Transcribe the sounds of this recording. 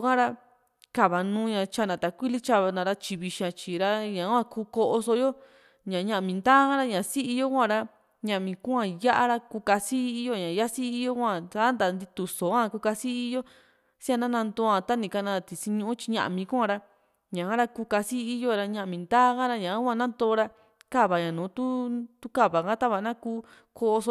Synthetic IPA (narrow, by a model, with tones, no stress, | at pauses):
kã˦ɾa˦ | ka˨βa˨nũː˦ɲã˧t͡ʃa˧˨nã˨t̪a˨kʷi˦li˦t͡ʃa˧βa˧nã˧ɾa˦t͡ʃi˧βi˧ʃã˧t͡ʃi˨ɾa˦ɲã˨˦wʷã˧kuː˧ko˧ʔo˧so˧˦jo˦ | ɲã˨˧ɲã˧ʔmĩ˧nd̪aː˦kã˦ɾa˦ɲã˨˧si˦i˧jo˦kʷã˦˧ɾa˦ | ɲã˧ʔmĩ˨kũ˦ã˧ja˦ʔa˦ɾa˦ku˧ka˧si˦˧i˧jo˦˨ɲã˨ja˦si˦i˦˧jo˦kʷã˧˨ta˦nd̪a˧nd̪i˧t̪u˨so˨˦ã˦˧ku˧ka˧si˦i˦jo˦ | si˦a˧nã˦nã˧nd̪oː˧˦ã˧t̪a˦nĩ˧ka˧nã˧t̪i˨si˧ɲũ˧ũ˦t͡ʃi̥˧ɲã̰˧ʔmĩ˧kũ˦ã˧ɾa˧ | ɲã˨ã˦ɾa˦kuː˧ka˧si˦i˧jo˦˧ɾa˧ɲã˧ʔmĩ˨nd̪aː˦kã˦ɾa˧ɲã˨˦ã˦˧nã˦nd̪oː˧˦˧ɾa˧ | ka˦˨βa˨ɲã˨nũː˨˦t̪u˦t̪u˦ka˦˨βa˨kã˦t̪a˦βa˨˧nã˦kuː˧˦ | ko˧ʔo˧so˧